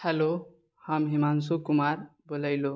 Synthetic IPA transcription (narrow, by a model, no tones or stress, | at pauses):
helo | hʌmɦimansukumaɾbolʌjlo